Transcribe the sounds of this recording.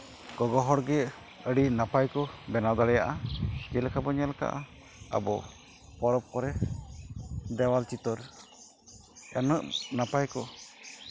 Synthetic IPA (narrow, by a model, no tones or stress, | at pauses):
ɡ̥ɔɡɔɦɔɽɡɛ | əɖinapajkɔbɛnad̪aɽɛjaʔakɛlkabɔɲɛlka̰ʔa̰ | a̰bɔ̰ | pɔɾɔp̚kɔɾɛ | d̪ɛwalt͡ʃit̪ɔɾ | ɛnəʔnapajkɔ